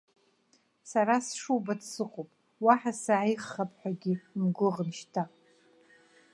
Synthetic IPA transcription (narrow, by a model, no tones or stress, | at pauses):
saɾasʂubadʰsɨqʼopʼ | waħasaʕijχːapʼħʷᶣaɡʲimɡʷʊʁnʃtʰa